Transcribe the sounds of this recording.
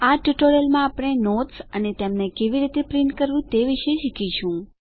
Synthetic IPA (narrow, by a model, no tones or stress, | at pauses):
aʈjuʈoɾelmãaːpɽ̃enotsənet̪emnekeʋiɾit̪epɾiɳʈkəɾʋũt̪eʋiʃeʃikit͡ʃʰũ